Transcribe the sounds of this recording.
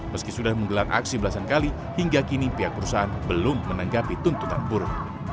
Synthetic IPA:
məskisudahməŋɡəlarʔa̰ksibəlasankali | hiŋɡakinipiɦak̚pəɾusaɦanbəlʊmːənaŋɡapit̪unt̪ut̪a̰nbuɾʊt̪̚

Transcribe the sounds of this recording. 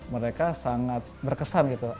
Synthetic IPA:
məɾekasaŋat̪̚bərkəsanɡit̪u

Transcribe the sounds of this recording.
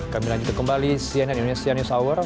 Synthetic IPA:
kamilaɲd͡ʒut̪akəmbalisiananindonesianusawər

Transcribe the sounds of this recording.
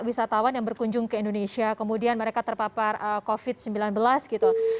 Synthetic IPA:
wisat̪awanjaŋbərkuɲd͡ʒʊŋkəindonesiakəmudianməɾekat̪ərpaparəkofɪt̪̚səmbilanbəlasɡit̪u

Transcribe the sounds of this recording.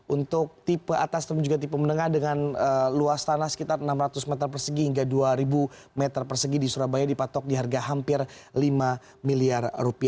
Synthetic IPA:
ʔunt̪ʊk̚t̪ipəat̪ast̪əd͡ʒuɡat̪̬ipəmənəŋahdəŋanəluast̪anahsə̥kit̪arənamɾat̪ʊsmɛt̪ərpərsəɡihiŋɡaduaɾibu | mɛt̪ərpərsəɡidisuɾabajadipat̪ɔk̚diɦarɡaɦampɪrlima | miliarrupia

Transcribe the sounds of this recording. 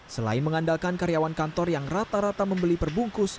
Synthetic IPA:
səla̰ɪnməŋandalkankaɾijawankant̪ɔrjaŋrat̪aɾat̪aməmbəlipərbuŋkʊs

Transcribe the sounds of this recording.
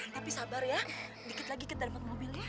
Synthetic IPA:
t̪apisabarja | dikɪt̪laɡikət̪aɾimat̪̚mobilna

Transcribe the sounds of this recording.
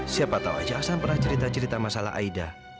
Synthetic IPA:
siapat̪awa̰d͡ʒaasanpərnaht͡ʃəɾit̪at͡ʃəɾit̪amasala̰ɦa̰ida

